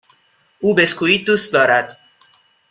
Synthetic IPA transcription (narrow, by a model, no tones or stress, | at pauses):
ʔuːbeskʰuːiːd̪uːst̪̚d̪ɒːɾæd̪̥